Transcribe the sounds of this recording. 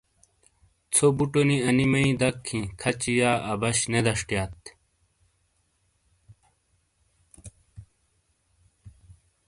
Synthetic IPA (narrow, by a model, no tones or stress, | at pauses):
t͡sʰobuʈoniɐnimɐĩd̪ɐkʰːĩkʰɐt͡ɕijaːɐbɐɕned̪ɐʂʈjaːt̪